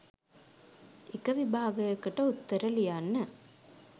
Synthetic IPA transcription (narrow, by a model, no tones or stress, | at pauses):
ɪkɐʋɪbʱaːɡɐjɐkːɐʈːɐʊt̪ːɐɾɐlijaːnːɐ